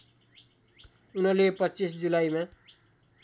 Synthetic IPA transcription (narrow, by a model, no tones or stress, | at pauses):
unʌlepʌt͡sisd͡zulaima